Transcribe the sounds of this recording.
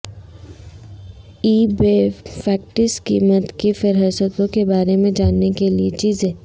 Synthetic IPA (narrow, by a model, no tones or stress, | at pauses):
iːbefɛːk̚ʈɪskḭːmət̪kifɪɾɦəsət̪õkebaːɾemẽd͡ʒaːnːekeliet͡ʃiːzẽː